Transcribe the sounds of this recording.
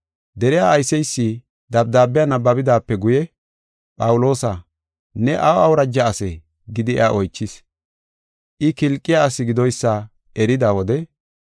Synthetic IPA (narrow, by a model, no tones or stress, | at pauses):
d̪ɛɾɪjaːjsɛjsːi | d̪ɐbd̪aːbɪjanɐbːɐbɪd̪aːpːɛɡʊjɛ | pʼɐwʊlo̞ːsɐ | nɛʔɐwɐwɾɐd͡ʒːɐːsɛ | ɡɪd̪ɪɛ̰aʔɔjt͡ʃːɪs | ʔɪkɪlkʼːɪjaːsɪɡɪd̪ɔjsːɐ | ʔɛɾɪd̪awɔd̪ɛ